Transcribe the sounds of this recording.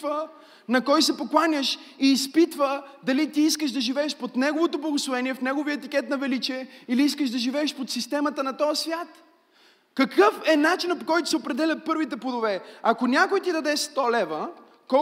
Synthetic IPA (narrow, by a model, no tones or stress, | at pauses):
və | nɐkɔjsɛpoklˠanʲəʃiːspit̪vəd̪ɐlit̪iiskəʃd̪ɐʒivɛːʃpot̪nɛɡovot̪oblˠɐɡoslˠovɛniɛfnɛɡoviəɛt̪ikʲɛt̪nɐvɛlit͡ʃiɛiliiskəʃd̪ɐʒivɛːʃpot̪sist̪ɛmɐt̪ənɐt̪ɔjəsvʲjat̪ | kɐkɤfɛnat͡ʃinɐpokɔjt̪ʊ̥sɛopɾɛd̪ɛlʲɐt̪̚pɤɾvit̪ɛpod̪ovɛakonʲakojt̪id̪ɐd̪ɛʃst̪ɔlɛvə | kɔ